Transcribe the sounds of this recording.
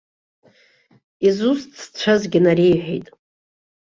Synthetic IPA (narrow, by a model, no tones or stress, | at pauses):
izust͡st͡ɕʷʰazɡʲɪnaɾejħʷᶣḛjtʼ